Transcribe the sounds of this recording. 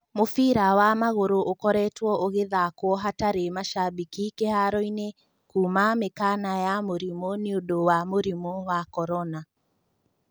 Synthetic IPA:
mofiɾawamaɣoɾoʔokɔɾɛtwɔʔoɣeðakwɔɦataɾemaʃabikikehaɾɔine | kuːmamekanajamoɾimɔneodowamoɾimɔwakɔɾɔna

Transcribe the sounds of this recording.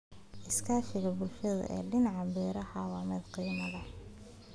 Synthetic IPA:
ʔɪskʰaːʃɪɣɐbʊlʃɐðɐ̰ʔɛ̰ːɖɪnɑʕɑbɛːɾɐħɑːwaːmɛd̪qiːmɐðɐ

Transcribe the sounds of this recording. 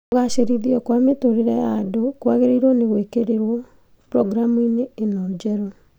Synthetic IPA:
oɣaʃeɾiðiɔkwametoɾeɾɛadokwaɣeɾeiɾwɔneɣwekeɾeɾwɔ | pɾɔɡɾamuineːnɔd͡ʒɛɾɔ

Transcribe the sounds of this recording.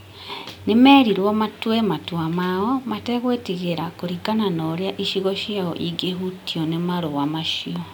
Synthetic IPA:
nemɛːɾiɾwɔmatwematwamaɔmatɛɣwetiɣeɾakoɾikananɔɾeaʔiʃiɣɔʃjaɔ̰ʔiɡeɦutiɔnemaɾowamaʃiɔ

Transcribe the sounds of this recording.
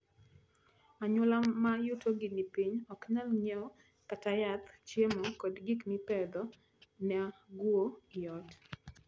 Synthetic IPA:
aɲʊlamajutʰoɡɪnipiɲɔkɲalɲɛɔ | katajat̪t͡ʃjemokɔdɡiknipɛd̪ɔ | nɛɡwoijɔt

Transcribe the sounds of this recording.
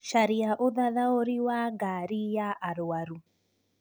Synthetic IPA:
ʃaɾiaʔoðaðaoɾiwaɡaɾijaʔaɾwaɾu

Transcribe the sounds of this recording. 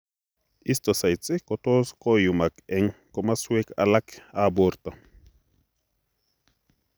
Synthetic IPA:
ist̪osajt͡sʼikot̪oskojumakɛŋkomaswekʰa̰lakaboɾt̪o

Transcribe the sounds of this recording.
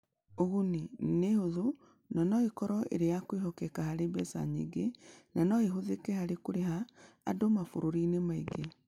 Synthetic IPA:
oɣunenehoðo | nanɔekɔɾɔʔḛɾejakweɦɔkɛkahaɾebɛsa̰ɲḛɡenanɔeɦoðekehaɾekoɾeɦa̰ː | domafoɾoɾiːnemaiɡe

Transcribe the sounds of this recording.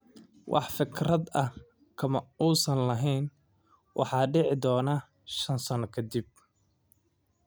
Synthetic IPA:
wʔɑ̰ħfɪkʰrɐd̪ɐ | kʰɐmɐuːsɐnlɐɦɛjn | wʔɑ̰ħɑːɖɪʕɪd̪ɔːna | ʃɐnsɐnɔkʰɐd̪ib̚

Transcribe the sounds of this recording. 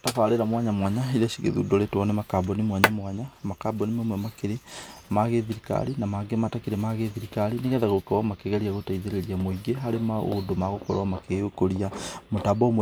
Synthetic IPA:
tafaɾeɾamwaɲamwaɲaiɾaʃiɣḛðṵːdoletwɔnɛmakabɔnimwaɲamwaɲamakabɔnimomwɛmakeɾemaɣeðiɾika̰ɾinamaɡematakiɾɛmaɣeðiɾikaɾineɣɛðaɣokewamakeɣɛɾiaɣotaiðeɾeɾiamoiɡeɦaɾemao̰domaɣokɔɾwamakeɣokoɾiamotabɔmwɛ

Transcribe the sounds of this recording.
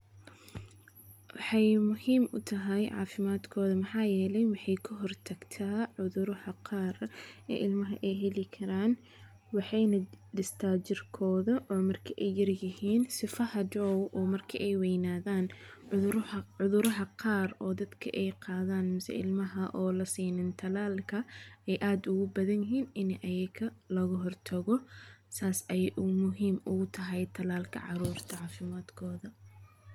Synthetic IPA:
wɑħɑjmʊhiːmʔʊ̰t̪ʰɐɦɛjʕɑ̰ːfɪmaːd̪kʰɔːðɐmɐħɑːjɛːlɛjwɑħɑjkʰɐɦɔrt̪ʰɐɡ̥t̪ʰaːʕʊðʊɾɐhɐqɑːrɛ̰ːʔɪlmɐɦɐʔɛjɦɛlɪkʰɐɾaːn | wɑħɑjnɐɖɪst̪ʰaːt͡ʃɪrkʰɔːðɐʔɔːmɐrkʰɐʔɛjːɐrjɪhiːnsɪfɐhɐdɔːwʔɔːmɐrkʰɐʔɛjwɛjnaːðaːn | ʊðʊɾɐɦɐqʰɑːrɔːd̪ɐd̪kʰɐ̰ʔɛjqɑːðaːnmɪsɛ̰ɪ̰lmɐɦɐʔɔːlɐsiːnɪnt̪ʰɐlaːlkʰɐɛjʔaːd̪ʊɣʊbɐðɐnjɪɦiːnɪnʔɐjɐkʰɐlɔɣɐɦɔrt̪ʰɐɣɔsaːsɛjʔʊmʊɦiːmʊɣʊt̪ʰɐɦɛjt̪ʰɐlaːlkʰɐ̰ʕɑ̰ɾuːrt̪ʰɐʕɑːfɪmaːd̪kʰɔːðɐ

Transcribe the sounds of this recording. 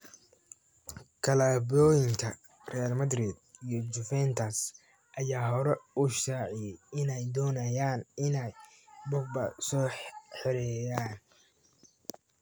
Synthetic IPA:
kʰɐlaːbɔːjɪŋkʰɐ | rɛjalmɐd̪rid̪̚ijɞd͡ʒʊfɛnt̪ʰɐs | ʔɐjaːɦɔɾɛʊʃaːʕɪjɛjɪnɛjd̪ɔːnɐjaːnɪnɛj | bɔbɐsɔːħħɪɾɛjaːn

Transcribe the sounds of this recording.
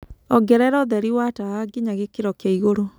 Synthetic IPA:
ɔɡɛɾɛɾɔðɛɾiwataaɡeɲaɣekeɾɔkaiɣoɾo

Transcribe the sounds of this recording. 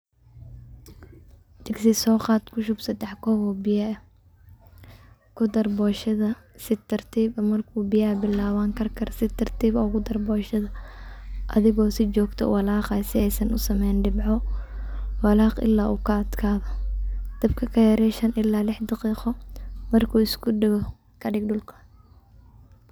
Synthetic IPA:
d̪̥ɪɡsɪsɔːqɑːd̪kʰʊʃʊbsɐd̪ɛħkʰɔːβɔːbɪjaɛ | kʰʊd̪ɐrbɔːʃɐðɐ | sɪt̪ʰːɐrt̪ʰiːbɐmɐrkʰuːbɪjɐbɪlːaːwaŋkʰɐrkʰɐrsɪt̪ʰɐrt̪ʰiːβɐʊɣʊd̪ɐrbɔːʃɐðɐ | ʔɐðɪɣɔːsɪt͡ʃɔːɡt̪ʰɔ̰wɑlaːqɐsɪɛjsɐnʊsɐmɛjnɖɪbʕɔ | wɑlaːqɪ̰lːaːʔuːkʰɐɐd̪̥kʰaːðɔd̪̥ɐbkʰɐkʰɐjɐɾɛʃɐnʔɪlːaːlɪħd̪ɑqiːqɔmɐrkʰuːɪskʰʊɖɐɣɔ | kʰɐɖɪɡ̚ɖʊlkʰɐ̥

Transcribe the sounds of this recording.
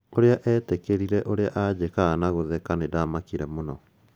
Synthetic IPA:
oɾeaʔɛːtekeɾiɾɛʔoɾeaʔad͡ʑekaːnaɣoðɛkanedaːmakiɾɛmonɔ

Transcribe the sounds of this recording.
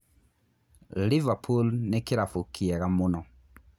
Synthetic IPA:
livapʰulnekiɾafokʰiɛɣamonɔ

